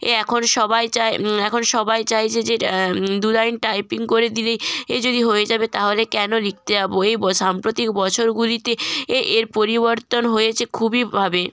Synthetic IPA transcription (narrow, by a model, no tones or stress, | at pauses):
ḛɛkʰonʃɔbajt͡ɕajɛkʰonʃɔbajt͡ɕajt͡ɕʰed͡ʑed̪ulajnʈajpiŋkoɾed̪ilejed͡ʑod̪iɦojed͡ʑabet̪aɦolekɛnolik̚ʰt̪ed͡ʑaboejbɔʃampɾot̪ikbɔt͡ɕʰoɾɡulit̪eeʔeɾpoɾiboɾt̪onɦojet͡ɕʰekʰubibʱabe